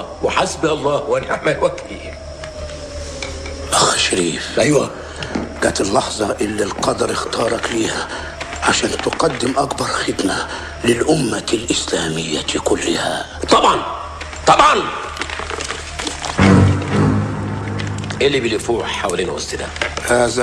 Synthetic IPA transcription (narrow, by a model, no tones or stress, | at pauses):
wɪħasbɑlˤːɑːwʔænʔaʕmælwæɡt̪i | ʔaxʃɾiːfʔæjwæ | ɡ̥æːt̪ɪlːɑħzˤɑʔɪlːɪlqɑd̪ɑɾˤɪxt̪ɑːɾˤɑkliːha | ʕaʃæːnt̪ɪqɑd̪ːɪmʔakbɑɾˤxɪd̪ma | lɪlʔʊmːalʔɪslaːmɪjːakʊlːɪha̰ | t̪ˤɑbʕɑn | t̪ˤɑbʕɑn | ʔelːibɪlifuːħħawliːnwʊ̰sɪd̪æ̰haːz